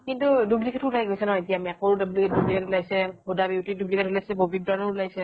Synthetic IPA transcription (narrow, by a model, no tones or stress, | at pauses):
kintudublikʰɛtʰulajɡojsɛnɔitijaːmiakoɹdɔblikɛtdublikʰɛtulajsɛbodabiwtidublikʰɛtʰulajsɛbobik̚danɔɹlajsɛ